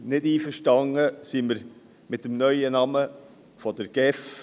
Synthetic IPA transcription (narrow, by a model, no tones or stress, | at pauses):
nɪdiːfəɾʃtɑŋəsiməɾ | mɪt̚ːəmnœʏənɑmə | fɔd̥əɾɡ̥ɛf